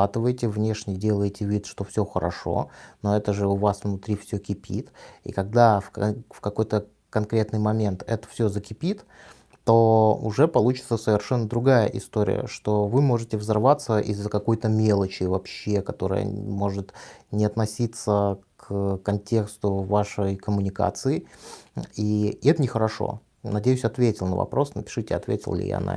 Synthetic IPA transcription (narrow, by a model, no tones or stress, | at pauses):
at̪ɨvəjɪtʲɪvnʲe̞ʂnʲɪjdʲe̞lˠəjɪtʲɪvʲit̪ʂt̪o̞fsʲoxəɾɐ̰ʂo̞̰no̞ɛt̪əʐɨʊvasvnʊt̪ɾʲifsʲɵkʲɪpʲḭt̪ḭkɐɡ̚d̪affkɐko̞jt̪ə | kɐnkɾʲe̞t̪nɨjmɐmʲe̞nt̪ɛt̪ə̥fsʲɵzəkʲɪpʲit̪ː | o̞ʊ̰ʐɛpɐlˠut͡ɕɪt̪səsəvʲɪrʂɛnːəd̪ɾʊɡajə̰ʔɪst̪oɾʲɪ̰jə̰ʂt̪o̞vɨmo̞ʐɨtʲɪvzɐrvat̪səʔɪzːəkɐko̞jt̪əmʲe̞lˠət͡ɕɪvɐpɕːekɐt̪o̞ɾə̰jə̰mo̞ʐɨt̪nʲɪɐt̪nɐsʲit̪səkkɐnʲtʲe̞kst̪ʊvaʂəjkəmʊnʲɪka̰t̪sɨɪ | iɛt̪ənʲɪxəɾɐʂo̰ | nɐdʲejʉsʲɐt̪vʲetʲɪlˠnəvɐ̰pɾo̞snəpʲɪ̥ʂɨtʲɪɐ̰t̪vʲḛtʲɪlˠlʲɪ̰ja̰na̰